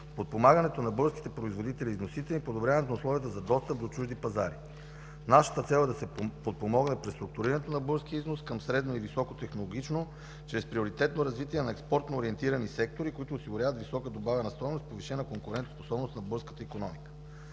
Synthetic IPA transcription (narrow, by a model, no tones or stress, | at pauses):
pot̪̚pomaɡənɛt̪onɐbɤɾski̥t̪ɛpɾoizvod̪it̪ɛliːznosit̪ɛlipod̪obɾʲjavɐnɛt̪onʊslˠɔvijət̪əzɐd̪ɔst̪əp̚d̪ot͡ʃuʒd̪ipɐzaɾi | naʃə̥t̪ət̪sɛlˠɛd̪ɐsɛpot̪̚pomɔɡnɛpɾɛst̪ɾuk̚t̪uɾiɾɐnɛt̪onɐbɤɾskiəiznoskəmsɾɛd̪noivisɔkot̪ɛxnolˠoɡ̟ʲit͡ʃno | t͡ʃɾɛspɾioɾit̪ɛt̪noɾɐzvit̪iɛnɐɛkspɔɾt̪noːɾiɛnt̪iɾɐnisɛk̚t̪oɾikoit̪ʊːsiɡʊɾʲjavət̪visɔkəd̪obavənɐst̪ɔjnost̪poviʃɛnəkoŋkʊɾɛnt̪sposɔbnost̪nɐbɤɾskət̪əikonɔmikə̥